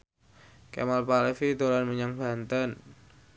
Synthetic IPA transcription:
kɛ̰malpalefid̪olanməɲaŋb̥ant̪ən

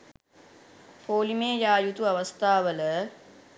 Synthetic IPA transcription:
pʰoːlimeːjaːjut̪uaʋast̪ʰaːʋələ

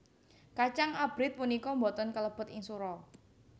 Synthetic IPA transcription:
kat͡ʃaŋab̥ɾɪt̪̚punikɔmbɔt̪ɔnkələb̥ʊ̤t̪ɪŋsuɾɔ

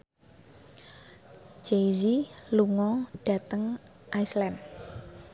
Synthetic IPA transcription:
d͡ʒeziluŋɔɖ̥ä̤t̪əŋ | ʔaislɛn

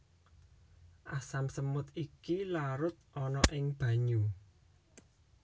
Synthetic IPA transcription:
ʔasamsəmʊt̪ikilaɾʊt̪̚ʔɔnɔʔɪŋb̥ä̤ɲu

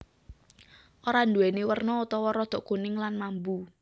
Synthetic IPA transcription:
ʔoɾand̪uɛnewərnɔut̪ɔwɔɾɔd̪̥ɔ̤ʔkunɪŋlanmambu

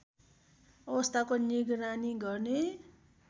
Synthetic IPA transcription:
ʌbʌst̪ʰakoniɡɾaniɡʌrne

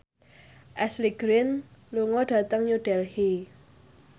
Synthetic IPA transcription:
ʔɛsliɡ̥ɾɪnluŋɔɖ̥ä̤t̪əŋɲuɖ̥ɛlhe

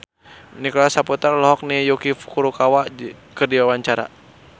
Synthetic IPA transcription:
nikɔlasaput̪arlɔɦɔk̚nijɔkifu̥kuɾukawakərdiwawaɲt͡ʃaɾa̰

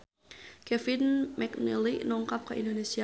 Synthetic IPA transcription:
kɛfɪnmɛknɛlinɔŋkap̚kəʔindonesia

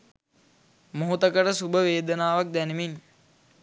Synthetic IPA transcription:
muɦut̪əkəʈəsubəʋeːd̪ənaːʋak̚d̪ænimin

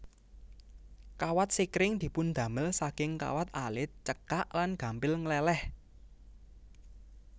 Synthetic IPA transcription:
kawat̪̚sikɾɪŋd̪̥i̤pʊnd̪̥ä̤məlsakɪŋka̰wat̪̚alɪt̪̚t͡ʃəkaʔlanɡ̥a̤mpɪlŋlɛlɛh

